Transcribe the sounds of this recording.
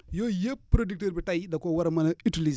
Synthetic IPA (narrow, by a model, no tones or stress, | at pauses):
jojeppːɾodik̚teɾbitajdakowaɾmɐnaitiliz